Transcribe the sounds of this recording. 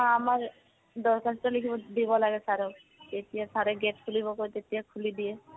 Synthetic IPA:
amaɹ | dɔɹkʰastɔlikʰibɔdibɔlaɡɛsaɾɛ | tetijasaɾɛɡɛtkʰulibɔkojt̪etijakʰulidijɛ

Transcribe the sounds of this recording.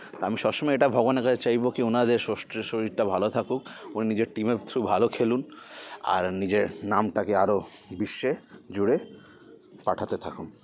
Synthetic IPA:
t̪oamiʃɔbʃɔmɔeeʈabʱɔɡoneɾkat͡ɕʰet͡ɕajbokionad̪eɾʃoʃʈʃoɾiʈabʱalot̪ʰakuk̚uninid͡ʑeɾʈimet̪ʰɾubʱalokʰeluna̰ɾnid͡ʑeɾnamʈakeaɾobiʃːed͡ʑuɽe | paʈʰat̪et̪ʰakun

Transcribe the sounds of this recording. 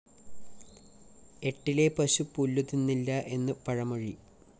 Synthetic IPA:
e̞ʈːile̞pɐɕupulːut̪ːinːilːɐʔe̞nːɨpɐɻɐmɐɻi

